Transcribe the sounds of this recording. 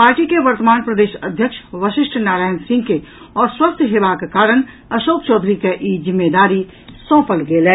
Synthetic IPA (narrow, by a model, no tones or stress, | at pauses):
paːɾʈikeʋəɾt̪əmaːnpɾəd̪eːʃə̰d̪ʱjəkʃʋəʃɪʃʈʰnaːɾaːjnsɪ̃ŋɡke | ɔːɾswɐst̪ʰjɦeʋakekaːɾəñ | ɐʃoːk̚t͡ʃɔːd̪ʱɾikeʔiːd͡ʒɪmːed̪aːɾi | sɔ̃ːpəlɡeːleː